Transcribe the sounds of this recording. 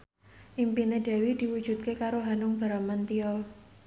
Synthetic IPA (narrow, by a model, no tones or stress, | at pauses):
ʔimpined̪̥ɛ̤wid̪̥i̤wud̥ʒ̥ṳt̪̚kekaɾoɦanʊŋb̥a̤ɾamant̪iɔl